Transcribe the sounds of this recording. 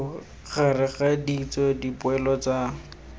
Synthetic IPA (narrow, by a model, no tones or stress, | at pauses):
ɣʰarɪχadit͡sɔdipʊɛlɔt͡sa